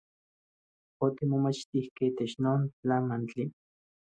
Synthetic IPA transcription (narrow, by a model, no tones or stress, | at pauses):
ot̪imomat͡ʃt̪ihkeit̪et͡ʃnoːnt͡ɬamant͡ɬi